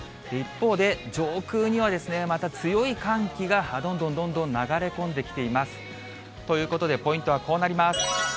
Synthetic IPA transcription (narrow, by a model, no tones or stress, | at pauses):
d̪̥e̞ipːo̞ːd̪e̞d͡ʑo̞ːkɯːɲ̟iβ̞ad̪e̞sɨne̞mat̪at͡sɨjo̞ikãŋkʲiɡahad̪õ̞nd̪õ̞nd̪õnd̪õ̞nːaɡaɾe̞kõ̞nd̪e̞kʲi̥t̪e̞imasɨ̥ | t̪o̞jɯ̟ːko̞t̪o̞d̪e̞po̞ĩnt̪o̞βako̞ːnaɾʲimasɨ̥